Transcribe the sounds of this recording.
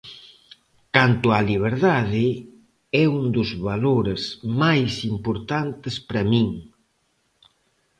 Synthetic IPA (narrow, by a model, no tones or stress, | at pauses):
kant̪ʊaliβ̞eɾðaðɪ | ɛund̪uzβaloɾezmajsimpoɾt̪ant̪espɾɐmiŋ